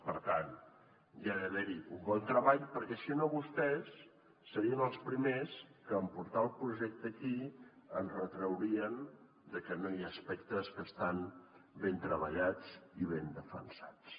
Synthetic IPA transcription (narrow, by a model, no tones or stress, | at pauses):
pəɾt̪an | ʒaɾəðeɾiumbɔnt̪ɾəβaʎpəɾkɛsinoβust̪ɛsː | əɾiənəlˠspɾimeskəːmpuɾt̪alˠpɾuʒɛk̚t̪əkiənrət̪ɾəwɾiən | d̪əkənojaəspɛkt̪əskəst̪anbent̪ɾəβə̰ʎad͡ziβend̪əfə̰nsat͡s